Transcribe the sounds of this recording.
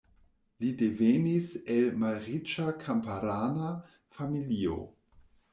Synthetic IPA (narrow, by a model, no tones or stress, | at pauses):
lideveniselmalʁit͡ʃakʰampaɾaːna | familio̰